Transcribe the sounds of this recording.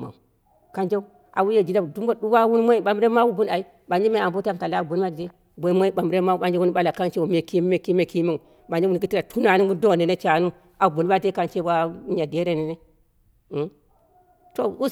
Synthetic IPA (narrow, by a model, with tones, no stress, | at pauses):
a̰˨ | ka˦nd͡ʒa˦u˦ | ʔa̰˨wu˦je˦˨d͡ʒi˨da˦˨du˦mbo˦ɗu˦wa˦wu˦n˦ma˦i˦ɓa˨m˦ɾe˦ma˦wu˦bu˦na˨i˦ | ɓa˨nd͡ʒi˦me˦˨a˨mbo˦ta˦n˨ka˨la˦˨bu˨n˦ma˦di˨de˦ | bo˨˦ma˦i˦ɓa˨mɾe˦ma˦wu˦ɓa˨˦nd͡ʒe˦wu˦n˦ɓa˦la˨ka˦nt͡ʃe˦wo˨me˨ki˦me˨ki˦me˨ki˦me˦u˨ | ɓa˨nd͡ʒe˦wu˦˨ɡi˦ti˦ɾa˨tʰu˦na˨˦nu˦wu˦do˦˨ne˨ne˦t͡ʃa˨˦nu˦ | a˨bu˨n˦ba˦e˦ka˦nt͡ʃe˦ba˦ɲa˨de˦ɾe˦ni˨ne˦˨ | to˦u˦